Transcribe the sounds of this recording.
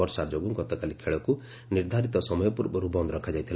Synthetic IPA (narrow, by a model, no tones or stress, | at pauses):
ɔɾsaɾd͡ʒoɡuŋɡɔt̪ɔkalikʰeɭɔku | niɾd̪ʱaɾit̪ɔsɔmɔjɔpuɾbɔɾubɔnd̪ɔɾɔkʰad͡ʒajt̪ʰil